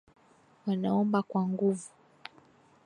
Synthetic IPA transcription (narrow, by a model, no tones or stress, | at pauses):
wanaɔmbakwaŋɡuvu